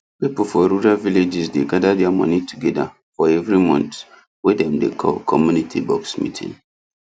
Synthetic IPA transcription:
pipul̩fɔɹuɹalviled͡ʒisdeɡadadɛamɔ̰nitʰuɡɛda̰ | fɔɛvɹimɔ̰̃nt | wɛdɛ̃mdḛkʰɔ̰lkʰɔmjunitʰibɔksmḭtʰḭ̃ŋ

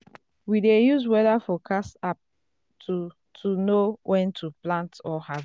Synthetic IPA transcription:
widejuswɛðafɔkʰasap̚ | tu | tʰunowʔɛ̃ntʰuplãntɔhav

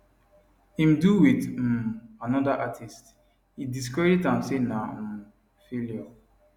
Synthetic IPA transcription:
ĩmduwit̩anɔdaʔatʰist | idis̬keditãmsena | feljɔ

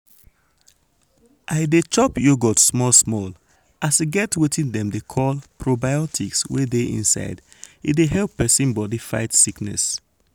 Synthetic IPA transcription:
ʔaɪdet͡ʃɔpjoɡɔtsmɔlsmɔl | ʔasiɡɛtwitʰĩndɛ̃mdekʰɔlpɹobaɪɔtʰikswedeʔḭ̃nsa̰ɪd | ḭdeɦɛlpːɛsĩnbɔdifa̰ɪtsiknɛ̰s

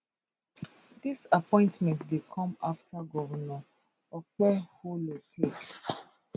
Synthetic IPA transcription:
disapɔ̃ɪ̃ntmɛ̃ntdekʰɔ̃maftʰaɡɔvana | ɔk͡pɛholotʰekt

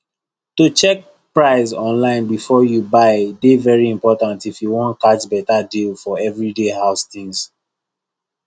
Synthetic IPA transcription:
tut͡ʃɛk̚ | pɹaɪzɔ̃nlãɪ̃nbifɔjubaɪdevɛɹiĩmpɔtãntifjuwɔ̃ntkatbɛtadilfɔɛvɹidehaʊstĩŋs

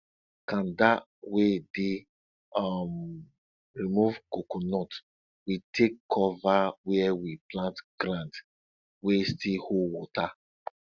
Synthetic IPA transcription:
kãnda | wede | am | ɹimuvkokonɔt | witʰekʰːɔvawɛɛwiplãntɡ̥ɾãnd | westihowɔta

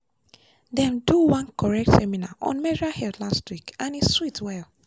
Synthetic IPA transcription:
dɛ̃mduwãnkɔɹɛk̚tsɛminaʔɔ̰̃nmɛɹahɛldlastwikãniswitwɛl

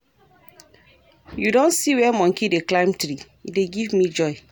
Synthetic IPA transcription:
judõnsiwɛmɔ̃ŋkideklãɪ̃mtɾi | ideɡivmid͡ʒɔɪ

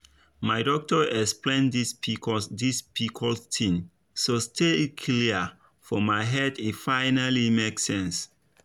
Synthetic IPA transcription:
maɪdɔk̚tɔʔɛksplẽndidispʰikʰɔlstʰĩŋ | sostʰekʰliə | fɔmaɪɦɛdifaɪnalimeksɛ̃ns

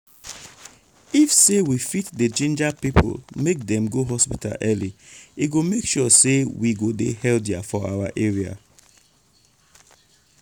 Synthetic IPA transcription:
ifsewifitded͡ʒẽnd͡ʒapipʰo̰lmek̚dɛ̃mɡoɦɔspita̰lʔɛliiɡomekʃɔsewiɡodḛhɛldjafɔa̰waʔeɹia̰

